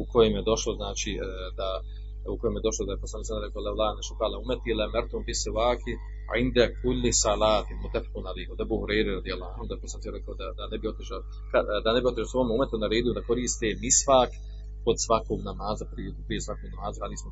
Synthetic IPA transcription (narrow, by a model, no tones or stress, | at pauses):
uko̞jemjed̪o̞ʃlˠoznaːt͡ʃiː | d̪a | ukojemje̞d̪o̞ʃlod̪aeposlaniːanɾekaolawlˠaːneʃupaːlaumet̪ilamɛɾt̪ompisɪwaːkɪ | ʕḭnd̪akulːɪsalaːt̪ɪlmut̪ːafi̥qunad̪iːhud̪abuːɦuɾɛjɾiɾad̪ijalˠːaːanhumd̪aeposanɾɛkaod̪ad̪anebio̞t̪iʃa | kad̪anebiot̪iʃasomument̪unaɾe̞ːd̪ijud̪ako̞ɾiːst̪emisfaːk | po̞d̪sʋakoːmnamaːzapɾi | pɾijesʋakoːmnamaːzuɾaːd̪ismo